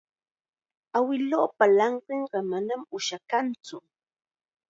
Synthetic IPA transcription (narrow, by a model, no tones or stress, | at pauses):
awɪloːpalɑɴɢeɴɢɑmanamʊʃakant͡sʊ